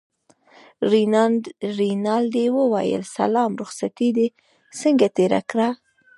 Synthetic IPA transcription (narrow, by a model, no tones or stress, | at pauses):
ɾinɑld̪ewəwajə̰lsa̰lɑmɾʊxsat̪id̪e | səŋɡat̪eɾa̰kɽa